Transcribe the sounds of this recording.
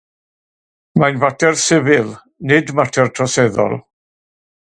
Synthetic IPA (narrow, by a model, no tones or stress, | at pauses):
manvatʰɛrsɪvɪlˠ | nɪdmatʰɛrtʰrɔsɛðɔ̰lˠ